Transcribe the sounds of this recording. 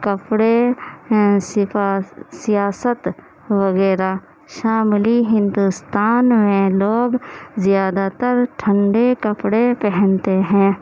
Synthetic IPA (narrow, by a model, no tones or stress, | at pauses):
kəpɽe | sɪasijaːsət̪ | ʋəɣɛːɾa | ʃaːmliɦɪ̃nd̪ust̪aːnmẽloːɡzjaːd̪at̪əɾʈʰə̃ɳɖekəpɽepɛɦɛ̃nt̪eɦɛ̃ː